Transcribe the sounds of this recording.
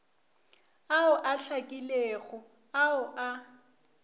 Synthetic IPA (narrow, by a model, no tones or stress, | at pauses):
aʊʔaɬakʼileːɣʊ | aʊʔa